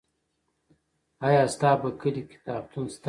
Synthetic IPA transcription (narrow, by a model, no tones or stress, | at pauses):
ajaːst̪ɑːbɐkəlikɪ̥t̪ɑːb̚t̪unst̪